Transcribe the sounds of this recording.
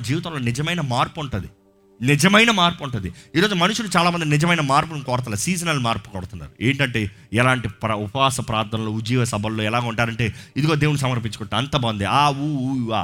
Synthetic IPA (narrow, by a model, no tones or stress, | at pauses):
d͡ʒiːʋit̪̬ɐmlo̞ːnɪd͡ʒɐmɐjnɐmaːɾpuuɳʈund̪i | nid͡ʒɐmɐjnɐmaːɾpuuɳʈ̬und̪iiːɾoːd͡ʒumɐnuʂuɽut͡ʃaːlaːmɐnd̪inɪd͡ʒɐmɐjnɐmaːɾp̬unkɔːɾɐt̪ɐlɐsiːd͡ʒɐnɐlːmaːɾpu̥kɔɽt̪unːa̰ːɾueːɳʈɐɳʈe̞ː | ɛlaːɳʈipɾɐupɐaːsɐpɾaːt̪ːɐnɐloːud͡ʒiːʋɐsɐbʱɐloːɛlaːɡaːuɳʈaːɾɐɳʈe̞ːid̪uɡo̞ːd̪e̞ːwunis̬ɐmɐɾpiɲt͡ʃu̥kɔʈːeɐnt̪ɐbɐnd̪iaːuːuaː